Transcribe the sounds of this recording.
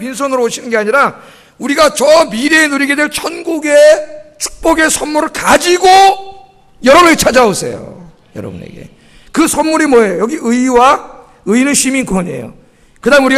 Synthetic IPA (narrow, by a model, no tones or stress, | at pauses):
pins̬ʰʌnɯɾooɕʰinɯnɡe̞aɲiɾa | uɾiɡat͡ɕʌmiɾenuɾiɡedwe̞ɭt͡ɕʰʌnɡuɡet͡ɕʰu̥k̚p͈ʌɡe̞sʰʌnmuɾɯɭkad͡ʑiɡo | jʌɾʌbnɯt͡ɕʰad͡ʑaosʰḛjo̰ | jʌ̰ɾʌ̰bṵnḛɡe̞̰ | kɯsʰʌnːuɾimwʌejojʌɡiʔɯiwa | ɯinɯnɕʰiminkʰʌɲe̞̰jo̰ | kɯdaɯmenuɾi